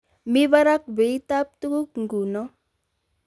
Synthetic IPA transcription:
mi˦βa˦ɾa˦k̚be˨it̪ap̚t̪u˦ku˦k̚ŋ̩ɡu˨nɔ˦

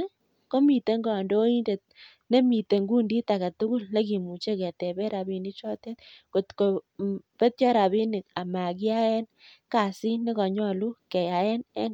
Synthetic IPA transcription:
ko˦mi˨t̪e˦ŋɡɔ˨ndo˦i˦nde˨t̪̚ | ne˦mi˨te˨ŋɡu˦ndi˦t̪a˨ka˨t̪u˦kʊ˦lne˦ki˨mu˨t͡ʃe˦ke˨t̪e˨be˦ɾa˨bi˨ni˦t͡ʃɔ˦t̪e˦t̪ko˨tko˨b̥e˦t̪̚t͡ʃɔ˦ɾa˨bi˦ni˨ka˨ma˨kɪ˦a˦e˦n | ka˨si˦nɪ˦kɔ˨ɲɔ˦˨lu˦kɛ˨ja˨je˦nɛ̰˦

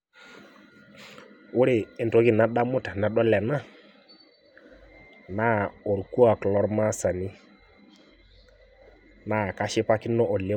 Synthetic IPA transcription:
ʊ˦ɾe˨e˨nto˨˦ki˨na˨˦ɗa˦mʊ˦ta˨na˨ɗɔ˦lɛ˨na˦ | na˦o˨ɾku˦a˨klɔ˦ɾma˦sa˨ni˦ | na˦˨ka˦ʃɪ˦pa˦ki˦nɔ˦ʔɔ˨le˦

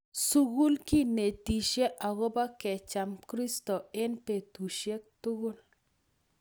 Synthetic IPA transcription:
su˦ɡu˦lki˦ne˨ti˨ʃe˦ʔa˨ɣo˦ba˦kɛ˨t͡ʃa˨mkɾi˦stɔ˨ɪ˦npe˨tu˨ʃje˦k̚tʊ˦ɡʊ˦l

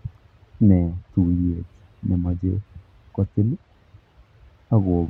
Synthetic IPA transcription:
nɛ˨t̪u˨je˨t͡ʃ | nɛ˨ma˨d͡ʒḛ˦ | kɔ˦t̪ɪ˦l | a˦ɣo˨

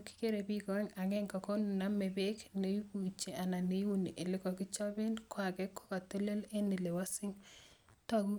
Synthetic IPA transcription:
ki̥˦ke˦ɾe˨bi˦ko˨ɛ˦ŋa˨ŋɛ˦ŋkɔ˨kɔ˦n˨na˦me˨be˦kne˨ju˦ku˨t͡ʃe˨ʔa˨na˨ne˦wu˦ni˨ʔe˨lɪ˦kɔ˨kɪ˦t͡ʃɔ˦be˦nkwa˨kɛ˦kɔ̥˦ka˨to˦le˦le˦nɪ˨le˨wa˦sɪ˦ŋ | tɔ˦ɡu˦

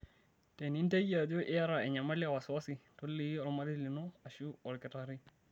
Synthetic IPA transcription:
te˨ni˦n˦te˦ja˨do˦ʔɪ˦ja˦ɾa˨ɛ˨ɲa˨ma˦li˦a˨wa˨sa˦si˨to˦lːi˦ɔ˨ɾma˦ɾi˦li˨no˦a˨ʃu˦ɔ˨ɾkɛ˨ta˨ɾi˦

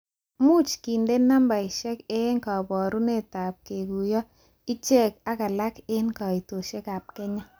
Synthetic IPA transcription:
mu˦t͡ʃki˨nde˦nːa˦mba˨i˨ʃɛ˦ke˦ŋka˨bɔ˨ɾu˦ne˦˨ta˨p̚ke˨ɡu˨jɔ˦ | i˦t͡ʃɛ˦˨ka˦ka˨la˦ke˦nka˨i˨to˨ʃɛ˦ka˨p̚kɛ˦ɲa˦

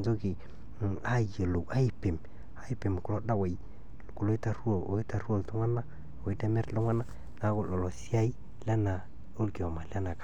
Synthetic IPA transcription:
nd͡ʒo˦ki˨ | a˦je˨lo˨a˦˨pe˨m | a˦i˨pe˨m˨ku˨lo˦da˦wa˨j | ku˨lo˦i˦ta˦ɾu˦o˨o˦i˦ta˨ɾu˦o˦˨tu˦ŋa˦na˦˨ | o˨i˦te˦mɛ˦ɾlu˦ŋa˦na˦ | na˦kʊ˨lɔ˨lɔ˨si˦a˦i˦ | la˦na˨ | o˦lkɔ˨ma˨la˦na˨ka˨˦

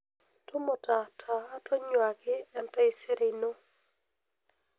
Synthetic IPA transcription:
tʊ˦mo˨ta˨tʰa˨a˦tɔ˦ɲwa˨ɡɪ˦ɛ˨ntɛ˦ɪ˦se˦ɾe˨ino˦

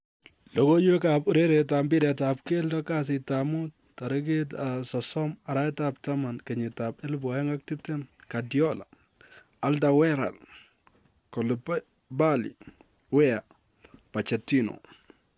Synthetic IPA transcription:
lɔ˨ko˦jɛ˦kapu˨ɾe˦ɾɛ˨ta˨mbɪ˦ɾɛ˨tap̚ke˦ldɔ˦ka˦s̬ɪ˨tamu˦t̚ | ta˨ɾɪ˦k̬e˦tasɔsɔ˦ma˨ɾa˦ɛ˦tapta˦ma˨nkɛɲɪ˨tapɛ˦lbɔ˨ɛ˦ŋa˦k̚ti˦p̚tɛ˦nka˨djɔ˦la̰ | a˦lda˨wɛ˦ɾa̰˨l | kɔ˨lp | ba˦lḭ˨ | wɛ˦a˨ | pa˨t͡ʃɛ˨ti˦no̰˨

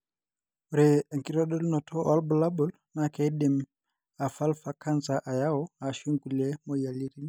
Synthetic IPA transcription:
ɾe˨ŋkiɾɔ˦ɗɔ˦lnɔ˨tʰɔʔɔ˦lbɔ˨la˦bɔl | nakɛdi˨m | a˨fa˦lfa˨ka˦nsaʔa˨ja˦ɔa˨ʃu˦ŋɡu˨lemoja˨li˦ɾi˦n

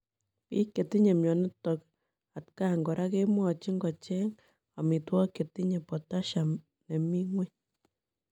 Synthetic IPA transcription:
pḭ˦kːe˨ti˦ɲe˨mjɔ˨nɪ˦tɔ˨k̚ | a˨tka˦ŋɡɔ˨ɾa˦ke˦mwɔ˨t͡ʃi˦ŋɡɔ˨t͡ʃe˦ŋ | a˨mi˨twɔ˦ke˨ti˦ɲe˨pɔ˨ta˦ʃa˨ | ne˨mi˦ŋwe˦

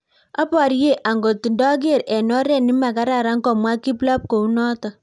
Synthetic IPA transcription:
a˦pa˨ɾje˦˨ʔʔa˨ŋɡo˨ti˨ndɔ˦k̬e˦˨ɾɛ˨nɔ˦ɾɛ˦nɪ˦ma˨ka˦ɾa˨ɾa˦ŋkɔ˨mwa˦ki˦pla˦p̚ko˨u˦nɔ˦tɔ˨

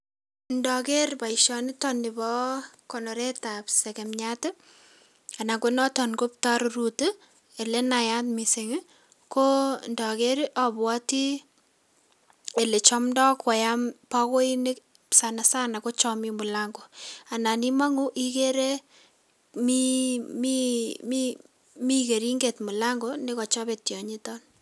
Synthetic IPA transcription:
ndɔ˨ke˦ɾpa˨iʃɔ˨nɪtɔnɪ˨bɔ˦kɔ˨nɔ˨ɾɛ˦tapsɛ˨kɛ˨mɲa˦tɛ˦ | a˨na˨ɡo˦nɔ˦tɔ˨nko˦p̚taɾru˨te˦ | e˨le˦naja˦tmi˨seŋ˦ | ko˦ndɔ˨ke˦ɾʔɔbwɔ˦ti˦ | e˨le˨t͡ʃɔ˦mndɔ˦kwa˨ja˦mpɔ˦ko˦i˦nɪ˦k | sa˨na˨sa˦na˨ko˦t͡ʃɔ˦mi˦mʊ˨la˦ŋɡo˨a˨na˨ni˦ma˦ŋu˦ʔi˦ke˦ɾe˦ | mi˦mimi | mi˦ke˨ɾi˦ŋɡe˨tmu˨la˦ŋɡo˦ne˦kɔ˨t͡ʃɔ˦be˨tjɔ˨ɲi˦tɔ˦n

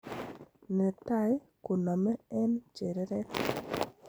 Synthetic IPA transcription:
nɛ˨ta˦˨j | ku˨nɔ˨mɛ˦ɛ˦nt͡ʃe˨ɾɛ˦ɾɛ˦

